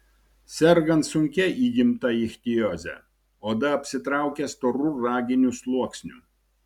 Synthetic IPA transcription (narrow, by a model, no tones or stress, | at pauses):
sʲɛɾɡɐnt̪sʊŋʲkʲɛʔiːɡʲɪmt̪ɐɪxʲt̪ʲɪjoːzʲɛ̰ | oːd̪ɐɐpʲsʲɪt̪ɾɑˑʊkʲɛst̪oɾʊɾɑːɡʲɪnʲuslˠuɔksʲnʲu